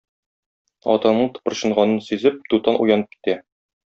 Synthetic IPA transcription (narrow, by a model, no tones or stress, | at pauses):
ɒ̰t̪ɑnɤɴt̪ɤ̥̆pɤ̆ɾɕɤ̆ɴʁɑnɤnsʉzɘp̚t̪ut̪ɑnʔṵjɑnɤp̚ki̥t̪æ